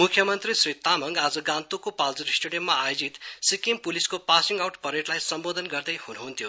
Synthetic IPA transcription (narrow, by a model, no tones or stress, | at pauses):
mukʰːjʌmʌnt̪risrit̪amʌŋɡad͡zʌɡãnt̪ukopald͡zʌɾisʈuɖijʌmmaajod͡zit̪sikimpuliskopasiŋɡawʈpʌɾeʈlajsʌmbod̪ʱʌnɡʌrd̪ʌjhunuɦunt̪ʰjo